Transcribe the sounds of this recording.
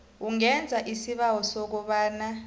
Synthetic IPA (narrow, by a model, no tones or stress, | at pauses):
uŋɛnd͡zʱaʔisiɓawɔsɔk̬ɔɓaːna